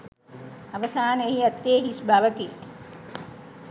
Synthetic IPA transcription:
ɐʋɐsaːneɦiɐt̪ːeːɦisbʱaʋəkit̪

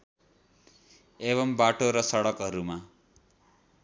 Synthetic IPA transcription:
eβʌmbaʈoɾʌsʌɽʌkɦʌɾuma

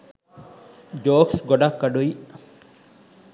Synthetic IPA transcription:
d͡ʒoːksɡɔɖakːaɖuj

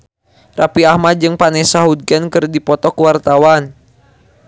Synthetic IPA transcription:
rapiahmad̪̚d͡ʒɨŋpanɛsaɦud̪̚ɡənkɨrdipɔt̪ɔkwart̪awan

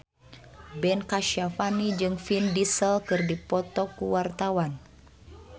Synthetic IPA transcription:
bɛnkaʃafanid͡ʒɨŋfindisəlkɨrdipɔt̪ɔkuwart̪awan

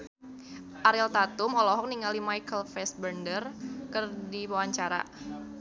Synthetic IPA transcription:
ʔaɾɛlt̪at̪ʊmɔlɔɦɔk̚niŋalimajkəlfɛs̚bərndərkərdiwawaɲt͡ʃaɾa̰

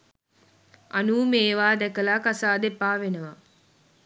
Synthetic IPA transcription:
anuːmeːʋaːd̪ɛkəlaːkasaːd̪epːaːʋenəʋa

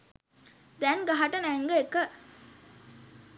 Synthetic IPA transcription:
d̪ænɡaɦaʈənæŋɡəekə

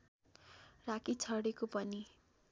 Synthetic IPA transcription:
rakit͡sʰʌɽekopʌni

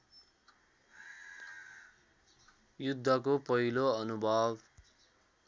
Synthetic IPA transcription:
jud̪ʱːʌkopʌɦiloʌnubʱʌb

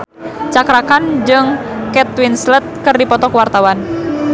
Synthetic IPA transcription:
t͡ʃakɾakand͡ʒɨŋkɛt̪̚winslət̪̚kɨrdipɔt̪ɔkwart̪awan

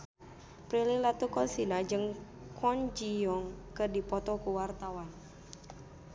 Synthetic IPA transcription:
pɾililat̪ukɔlsinad͡ʒɨŋ | kʰɔɲd͡ʒiɔŋkədipɔt̪ɔkuwart̪awan

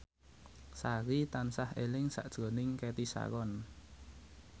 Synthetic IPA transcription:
saɾit̪ansahelɪŋsa̰ʔd̥ʒ̥o̤nɪŋkɛt̪isa̰kɔn

